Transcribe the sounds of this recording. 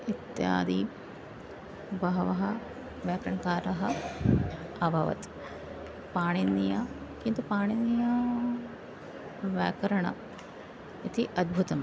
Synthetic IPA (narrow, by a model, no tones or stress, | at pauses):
it̪ja̰ːd̪i | bɐɦɐʋɐɦɐ | ʋjaːkɾɐɳɐkaːɾɐɦɐ | ɐbʱɐʋɐ̰t̪ | paːɳinːijakint̪upaːɳinːija | ʋjaːkɐɾɐɳɐ̰ | it̪iʔɐd̪̚bʱut̪ɐm